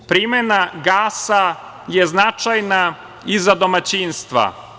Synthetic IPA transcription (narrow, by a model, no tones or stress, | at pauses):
pɾimenaɡaːsa | jeznat͡ʃajna | izad̪o̞mat͡ɕiːnst̪ʋa̰